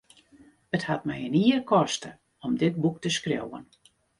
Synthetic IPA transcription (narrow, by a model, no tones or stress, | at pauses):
əthat̚mɛjəniərkʰɔstə | ɔmdɪt̚buk̚təskrjo̰wə̰n